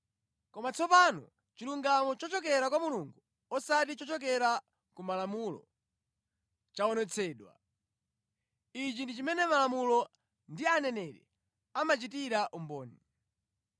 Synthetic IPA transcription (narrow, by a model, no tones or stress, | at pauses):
kɔmat͡sʰɔpanɔ̰ | t͡ʃiluŋɡamɔt͡ʃɔt͡ʃɔk̬ɛɾakwamuluŋɡu | ɔsatit͡ʃɔt͡ʃɔk̬ɛɾa | kumalamulɔ̰ | t͡ʃaɔnɛt͡sʰɛːɗwa̰ | it͡ʃindit͡ʃimɛnɛmalamulɔ | ndianɛnɛɾɛ̰ | amat͡ʃitiɾaʔumbɔːni